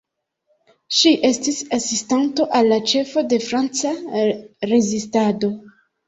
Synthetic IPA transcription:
ʃiʔe̞stisasistanto̞ʔalːat͡ʃe̞fo̞de̞fɾant͡sa | ɾe̞zistado̞

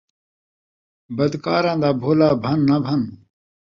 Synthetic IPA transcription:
bɐd̪kaːɾãːnd̪aːbʱoːlaːbʱɐnːɐbʱɐn

